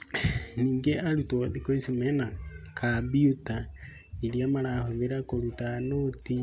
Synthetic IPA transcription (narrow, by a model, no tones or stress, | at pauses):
niːŋɡeʔaɾutoðikoisimenakʰabiuta | iɾjamaɾahoβeɾakoɾutanoti